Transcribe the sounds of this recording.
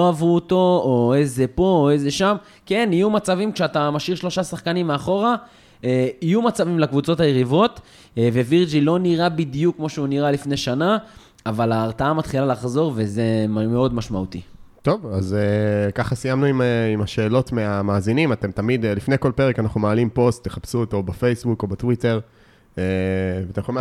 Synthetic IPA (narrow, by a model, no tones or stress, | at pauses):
loavʁuoto̞oe̞ze̞po̞ːe̞ze̞ʃam | ke̞nijumat͡savimkʃeatamaʃiʁʃlo̞ʃasaχkanimːeaχo̞ʁa | eijumat͡savimlakvut͡so̞tajeʁivo̞t | ve̞viʁd͡ʒilo̞niʁabidjukːmoʃeuniʁalifne̞ʃanaː | valaːʁtaamat̪χilalaχzo̞ʁve̞ze̞mmeo̞dmaʃmaut̪it̪o̞vazekaχasijamnuimeimaʃe̞ːlo̞tmeamaːzinimat̪emt̪amid̪lifnejko̞lpe̞ʁekanaχnumaːlimpo̞stːeχapsuit̪o̞befejsbuko̞batwite̞ʁ | eveat̪emjeolim